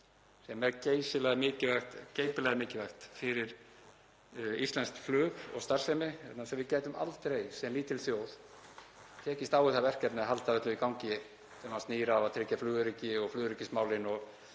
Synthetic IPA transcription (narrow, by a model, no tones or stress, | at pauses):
sɛmɛɾceːjsɪlɛɣamɪːcɪvɛxt̪cejpɪlɛɣamɪːcɪvɛxt̪fɪɾɪɾ̥ | ist̪lɛnskflʏːɣɔ̰ɣst̪aɾ̥rsemɪɛt̪nasɛmvɪðcɛːjt̪ʏma̰lt̪ɾejsɛmːiːt̪ɪlθjowð | t̪ʰɛːcɪst̪aːwɪθavɛr̥cːɛpnɪaɦalt̪aðœht̪lʏikawɲcɪ | sɛmast̪niːɾavaðt̪ʰɾɪːcːaflʏːɣʏɾicːɪɔɣflʏːðʏɾicːɪst̪maːwlɪnɔɣ